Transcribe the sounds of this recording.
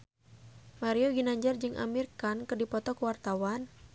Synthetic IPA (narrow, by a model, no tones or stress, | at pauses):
maɾioɡinaɲd͡ʒard͡ʒɨŋʔa̰mirkankɨrdipɔt̪ɔkuwart̪awan